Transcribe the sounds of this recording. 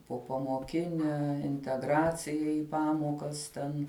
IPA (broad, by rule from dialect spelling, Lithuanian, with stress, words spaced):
poːpɐmoːˈkʲɪnʲɛ ɪnʲtʲɛˈɡrɑːt͡sʲɪjɛ ɪ ˈpɑːmoːkɐs ˈtʲɛn